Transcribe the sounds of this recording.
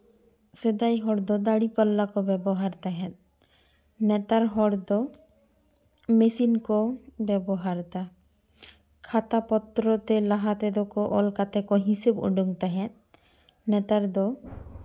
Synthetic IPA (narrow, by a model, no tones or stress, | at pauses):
sed̪ajɦɔɽd̪ɔd̪aɽipalːakɔbɛbɔɦaɾt̪aɦɛ̃t̪̚ | nɛt̪aɾɦɔɽd̪ɔ | mesinkɔbɛbɔɦaɾt̪a | kʰat̪apɔt̪ɾɔt̪elaɦat̪ɛd̪ɔkɔʔɔlkat̪ekɔɦisebo̰ɖuŋt̪aɦɛ̃t̪̚ | nɛt̪aɾd̪ɔ